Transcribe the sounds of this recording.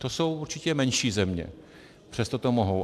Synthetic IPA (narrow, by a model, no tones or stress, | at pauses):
t̪oso̞wuɾt͡ʃɪcɛmɛnʃiːzɛmɲɛ̰ | pr̝̥ɛst̪ot̪omoɦow